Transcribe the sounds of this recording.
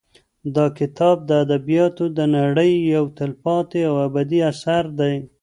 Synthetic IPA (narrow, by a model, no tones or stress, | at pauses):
d̪ɑkɪt̪ɑb̚d̪əad̪abijɑt̪od̪ənaɽəjːawt̪ɪlpɑt̪eawabad̪iasaɾd̪aj